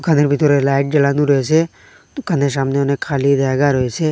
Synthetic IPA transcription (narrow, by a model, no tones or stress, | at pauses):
ukʰaneɾbit̪oɾelaːɪʈ̚d͡ʒəlaːnũɾoes̬e | t̪ukʰanes̬aːmneʊnẽkʰaːlid̪aɡaɾoeseː